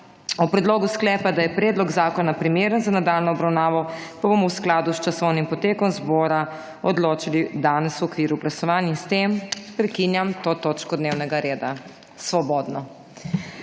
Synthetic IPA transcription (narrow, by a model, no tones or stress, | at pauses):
ɔpɾɛd̪loːɡusklɛːpad̪ajɛpɾɛːd̪lɔɡzaːkɔnapɾimeːɾənzanad̪alnɔːbɾawnaːʋɔpabomɔwsklaːd̪ust͡ʃasɔwnimpɔt̪eːkɔmzbɔːɾa | ɔd̪loːt͡ʃilid̪aːnɛsuɔkʋiːɾuɡlasɔʋaːninst̪empɾɛkinjamt̪ot̪oːt͡ʃkɔd̪neːwnɛɡaɾeːd̪a | sʋɔbɔːd̪nɔ